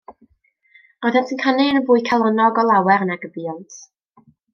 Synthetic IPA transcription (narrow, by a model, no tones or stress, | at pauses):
ɔðɛntʰənkʰanɪənəvʊːɨkʰalˠɔnɔɡɔlˠawɛɾnaɡəbiɔlˠtʰ